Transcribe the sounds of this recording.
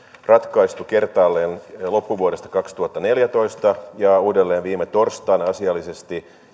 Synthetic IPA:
rɑt̪kɑist̪uke̞rt̪ɑːlːeːnlo̞pːuʋuoɾest̪ɑ̥kɑkst̪uhɑt̪ːɑne̞ljæt̪o̞ist̪ɑjɑuːdelːeːnʋiːmet̪o̞rst̪ˑɑːnɑsiɑlːise̞st̪i

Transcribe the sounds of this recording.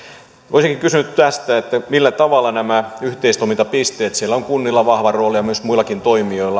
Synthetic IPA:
oisiŋkiŋkysynyt̪t̪æst̪æet̪ːæmilːæt̪ɑʋɑlːˑɑnæmæyht̪eist̪omint̪ɑpist̪eːt̪sielːæoŋkunːilːɑʋɑhʋɑroːlijɑmyøsmuilːˑɑkint̪oimioilːˑɑ

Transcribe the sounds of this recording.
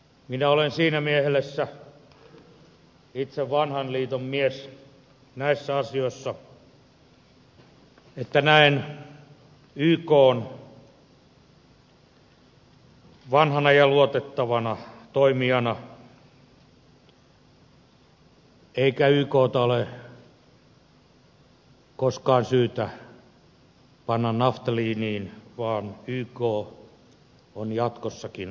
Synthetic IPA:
minæolensiːnæmiehelesːæ | it̪seʋʋɑnhɑnliːt̪ommies | næisːæɑsijoˑisːɑ | et̪ːænæin | yːkoːn | ʋɑnhɑnɑjɑluot̪et̪ːɑʋɑnɑt̪oimiɑnɑ | eikæyːkoːt̪ɑole | koskɑːnsyːt̪æ | pɑnːɑnnɑft̪ɑliːniːnʋɑːnyːkoː | onjɑt̪kosːɑkin

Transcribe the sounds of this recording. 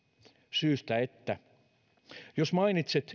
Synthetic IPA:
syːst̪æet̪ːæ | josmɑinit̪set̪

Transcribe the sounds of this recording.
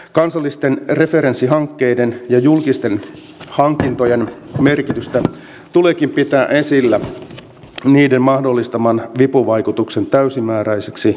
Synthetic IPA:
kɑnsɑlːist̪enre̞fe̞ɾensːiɦɑŋkːe̞idenjɑjulkist̪en | hɑŋkint̪ojenme̞rkit̪yst̪æ | t̪ulekimpit̪æːʔesilːæ | niːdemmɑhdolːist̪ɑmɑnʋipuʋɑikut̪ukse̞nt̪æysimæːɾæiseksi

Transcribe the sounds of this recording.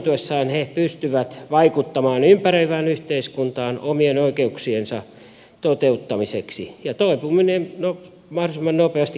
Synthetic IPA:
t̪uesːɑːnhepyst̪yʋæt̪ʋɑikut̪ːɑmɑːnympæreiʋæːnyht̪eiskunt̪ɑːnomienoikeuksiensɑ | t̪ot̪eut̪ːɑmiseksḭjɑt̪oipuːminenno | mɑhroisemːɑnnopeɑst̪i

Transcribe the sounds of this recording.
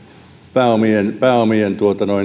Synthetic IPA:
pæːomienpæːomient̪uot̪ɑnoi

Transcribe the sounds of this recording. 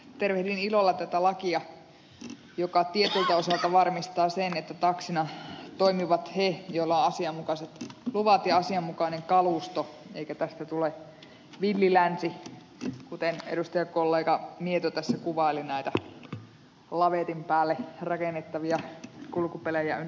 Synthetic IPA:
t̪erʋehdinilolːɑt̪æt̪ælɑkiɑ | jokɑt̪iet̪elt̪æosɑlt̪ɑʋɑrmist̪ɑːsenet̪ːæt̪ɑksinɑt̪oimiʋɑt̪hejolːɑõʔɑsiɑmːukɑˑset̪luʋɑt̪jɑɑsiɑmːukɑˑineŋkɑluˑst̪o | ḛikæt̪æst̪æt̪ule | ʋilːilænsi | kut̪enḛɾust̪ɑjɑkolːeːkɑmiet̪ot̪æsːækuʋɑˑelinæit̪æ | lɑʋet̪impæːlːerɑkenːet̪ːɑʋiɑkulkupelejæ̰y

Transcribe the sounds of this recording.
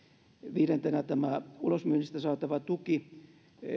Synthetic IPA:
ʋiːɾent̪enæt̪æmæulosmyønːist̪æsɑːt̪ɑʋɑt̪uki

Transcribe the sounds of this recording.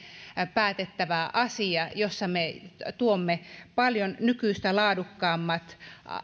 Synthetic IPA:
pæːt̪et̪ːæʋæʔɑsiɑjosːɑmet̪uomːepɑljonnykyist̪ælɑːdukːɑːmːɑt̪

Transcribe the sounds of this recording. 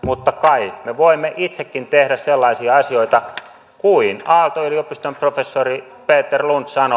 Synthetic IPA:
mut̪ːɑkɑikmeʋoimːeʔit̪sekːint̪ehɾæsselːɑisiɑɑsioit̪ɑ | kuinɑlt̪oyliopist̪omprofesːori | peːt̪ːerlunt̪sɑno

